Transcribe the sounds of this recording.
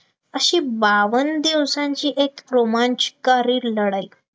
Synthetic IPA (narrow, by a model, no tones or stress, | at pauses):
əɕiːbaʋənd̪iʋsãɲt͡ɕiːʔekɾomaɲt͡ɕkaɾiːɾləɽaj